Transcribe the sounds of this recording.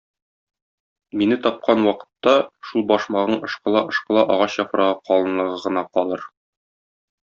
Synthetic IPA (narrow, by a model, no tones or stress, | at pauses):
minɘt̪ɒp̚qɑnwɒqɤ̥̆t̪ːɑʃulˠbɒʃmɑʁɤɴɤ̆ʃqɤlˠɑʔŏʃqɤ̆lˠɑʔɒʁɑɕjɒfɾɑʁɤqɒlˠɤ̆nlˠɤ̆ʁɤʁɤ̆nɑqɒlˠɤɾ